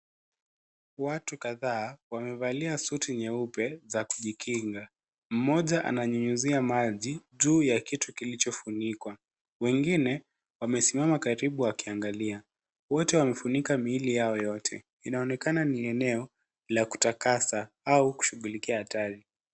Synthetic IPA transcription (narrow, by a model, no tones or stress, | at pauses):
watukaðaːwamɛvaliasutiɲɛupɛzakuʄikʰiŋɡa | m̩mɔʄaʔa̰naɲuɲuziamaʄiʄuːjakitukilit͡ʃɔfunikwa | wɛŋɡinɛ | wamɛsimamakaɾiɓuakiaŋɡalia | wɔtɛwamɛfunikamilijaɔjɔtʰɛ̰ | inaɔnɛkananiɛnɛɔ | laku̥takasa | auku̥ʃuɠulikiahataɾi